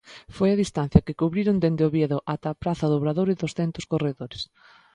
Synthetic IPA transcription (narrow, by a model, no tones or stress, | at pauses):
fojɐðist̪ãn̟θjɐkɪkuβɾiɾʊnd̪end̪eoβjeðʊʔat̪apɾaθɐðʊβɾaðoɾɪðʊsθent̪ʊskoreðoɾɪs